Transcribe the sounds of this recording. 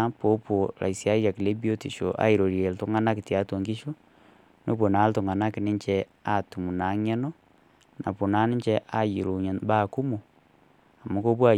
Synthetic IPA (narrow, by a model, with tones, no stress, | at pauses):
a˦po˨˦po˨ɾa̰˨i˨sia˦ja˨ki˨le˦bi˦o˦ti˨ʃo̰˨ʔa̰˨˦i˨ɾo˨ɾje˨ltu˦ŋa˦na˦ki˨tja˨˦to˨ŋɡi˦ʃo˦ | no˦po˨na˨˦ltu˨ŋa˨na˦kɪ˨nɪ˦ɲt͡ʃɛ˦ | a˦˨tu˨mu˨na˨˦ŋe˦no˦ | na̰˨po˨na˦nɪ˦ɲt͡ʃɛ˦ʔa˦jḭ˨ɾo˨ɲa˨nba˦˨ku˦mu˨ | a˨mo˦ko˦pwa˦˨